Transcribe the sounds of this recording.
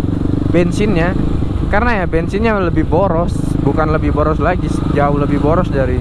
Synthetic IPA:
bɛnsɪnɲa | karənajabɛnsɪnɲaləbɪhboɾɔs | bukanləbɪboɾɔslaɡisd͡ʒaʊhləbɪboɾɔsdaɾi

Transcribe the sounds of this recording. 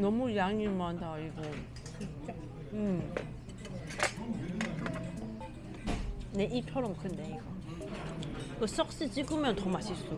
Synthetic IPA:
nʌmujaŋiɭmandaɾiɡo | ɯm | ne̞ʔit͡ɕʰʌɾʌmkʰɯnde̞iɡʌ | iɡʌs͈ʌk̚ɕ͈it͡ɕiɡɯmjʌntʌmaɕʰis͈u

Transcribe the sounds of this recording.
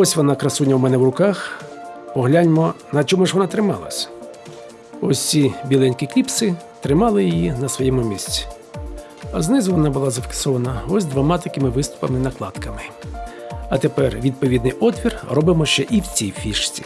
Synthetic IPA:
ɔsʲʋɔnɑkɾɐsunʲːɐwmɛnɛwrʊkɑxpɔɦlʲanʲmɔnɐt͡ʃɔmʊʒʋɔnɑt̪ɾɪmɑ̰lˠɐ̰sʲɐ̥ | ɔsʲt͡sʲibʲilˠɛnʲkiklʲipsɪ | t̪ɾɪmɑlˠɪjijinɐsʋɔjɛmʊmʲisʲt͡sʲi̥ | ɐznɪzʊʋɔnɑbʊlˠɑzɐfʲi̥ksɔʋɐnɐɔsʲd̪ʋɐmɑt̪ɐkɪmɪʋɪst̪ʊ̥pɐmɪnɐklˠɑd̪kɐmɪ | ɐt̪epɛrʋʲid̪̚pɔʋʲid̪nɪjʔɔt̪ʲʋʲirrɔbɪmɔʃt͡ʃɛʔiwt͡sʲijfʲiʃt͡sʲḭ

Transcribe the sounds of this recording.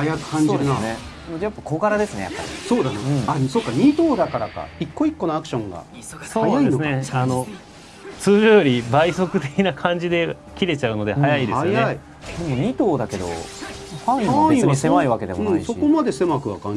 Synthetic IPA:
hajakɯ̥kãɲoːinasne | nod̪ejapːḁko̞ːɡaɾad̪e̞sɨne̞ja̰pːa̰ɾʲḭsoːd̪anoɯ̟̃ɴɴasoːkːaɲʲit̪oːd̪akaɾaka̰ikːo̞ikːo̞noakɯ̟̥ɕõ̞ŋɡa̰ | soaːnad̪ɨneano̞ | t͡sɨːʑoːjoɾʲibaiso̞kɯ̟t̪e̞kʲinakʰãɲ̟d͡ʑid̪e̞ | kʲiɾe̞t͡ɕaɯ̟no̞d̪e̞hajaid̪esaojnei | d̪e̞mo̞ɲ̟it̪o̞ːd̪ake̞d̪o̞̰ | haiaiisemaiβake̞d̪e̞mõisoikomad̪e̞se̞makɯ̟βa̰kã̰ɲ

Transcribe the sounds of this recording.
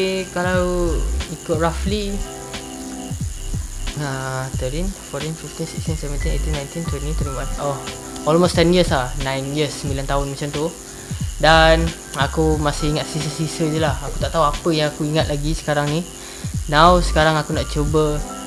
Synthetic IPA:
kalawikʊt̪̚ɹafli | at̪əɾinfɔɾinfift̪insikst̪insɛvənt̪inḛt̪inãjnt̪int̪wɛnint̪uɾiwanɔh | ɔlmost̪ɛnjəslanãjnjəsːəmbilant̪aɦʊnmat͡ʃamt̪u | dan | akumasɪhiŋat̪̚sisəsisəd͡ʒulahakut̪aʔt̪aɦuapəjaŋakuiŋat̪̚laɡisə̥kaɾaŋni | nawsə̥kaɾaŋakunaʔt͡ʃobə

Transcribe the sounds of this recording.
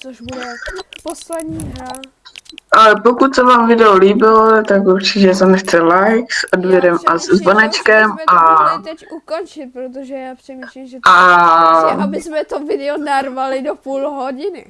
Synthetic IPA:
ʔalɛpokut̪sɛvaːmvɪdɛloliːbɪlot̪akuɾt͡ʃɪcɛs̬ɛnɛxt͡sɛlajksʔodbjɛɾɛmasɛzvonɛt͡ʃkɛmʔaɛuont͡ʃɪɾʒ | a | ɪsmɛt̪ovɪdɛonarvalɪdopuːlɦoɟɪnɪ

